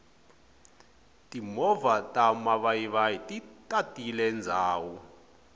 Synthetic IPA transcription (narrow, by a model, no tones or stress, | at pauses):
tʼimɔvatʼamaβaiβajitʼitʼatʼilɛnd͡zʱaːwu